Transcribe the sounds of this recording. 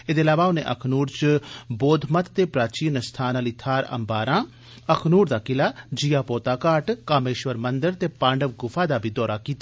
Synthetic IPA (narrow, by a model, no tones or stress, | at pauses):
eːd̪eːlaːʋaːʊneːʔəkʰnuːɾt͡ʃboːd̪ʱmət̪t̪eːpɾaːt͡ʃiːnst̪ʰaːnaːliːt̪ʰaːɾə̰mbaːɾãː | əkʰnuːɾd̪aːkɪlaːd͡ʒijaːpoːt̪aːkaːʈkaːmeːʃʋəɾmənd̪əɾt̪eːpãːɳɖəʋɡʊfʰaːd̪aːbʱiːd̪ɔːɾaːkiːt̪aː